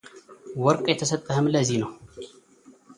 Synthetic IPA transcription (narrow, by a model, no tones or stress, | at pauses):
wɔɾkʼjɛt̪ʰəsət̪ʼːəhəmləzinɐw